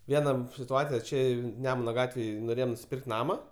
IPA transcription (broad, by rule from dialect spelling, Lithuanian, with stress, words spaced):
ˈʋʲiɛnɐ sʲɪtʊˈɑːt͡sʲɪjɛ ˈt͡ʃʲɛ ˈnʲæːmʊnɐ ˈɡɑːtʲʋʲeːj noːˈrʲeːjoːm nʊsʲɪˈpʲɪrkt ˈnɑːmɐ